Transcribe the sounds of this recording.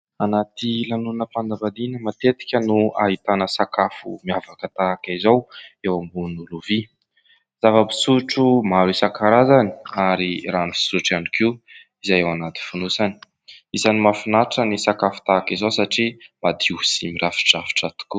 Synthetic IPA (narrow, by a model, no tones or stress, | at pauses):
anat̪ilanunəpand̪avaninəmat̪et̪i̥kʲənuaɦit̪anəsakafṵmiavakət̪akaizowewambunuluvi | z̥avəbi̥suʈ͡ʂumaɾisakaɾazani̥aɾiranifi̥suʈ͡ʂanikʰiw | izajewanat̪i̥funusani̥ | izanimafinaʈ͡ʂənisakafu̥t̪akizowsaʈ͡ʂimad̪iusimiɾafi̥ʈ͡ʂafi̥ʈ͡ʂat̪u̥ku